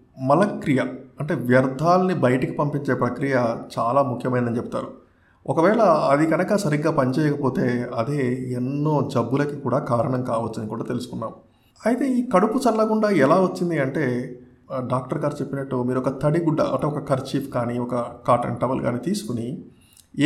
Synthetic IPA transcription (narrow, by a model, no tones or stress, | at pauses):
mɐlɐkɾijɐɐɳʈe̞ːʋjɐɾd̪ʱaːlɐnibɐjɐʈiki̥pɐmpiɲt͡ʃe̞ːpɾɐkɾijɐt͡ʃaːlaːmukʰjɐmɐjnd̪ɐnt͡ʃebut̪a̰ːɾu | ɔkɐʋɛːɭɐɐd̪iɡɐnɐkɐsɐɾiɡːaːpɐɲt͡ʃɛːjɐkɐpo̞ːt̪e̞ːɐd̪eːenːo̞ːd͡ʒɐbːulɐkikuːɽaːkaːɾɐɳɐŋkaːʋɐt͡ʃːind̪ikuːɽaːt̪e̞lusu̥kunːaːm | ɐjt̪e̞ːiːkɐɽupusɐnːɐkuɳɖaːɛlaːʋɐt͡ʃːind̪iɐɳʈe̞ː | ɖaːk̚ʈɐɾɡaːɾt͡ʃe̞pːinɐʈːumiːɾɔkɐt̪ʰɐɽiɡuɖːɐ̰ɐ̰ɳʈeɔkɐkɐɾt͡ʃiːpʰkaːniɔkɐkaːɾʈɐ̰ɳʈɐbɐlɡa̰ːniːt̪iːsu̥kuni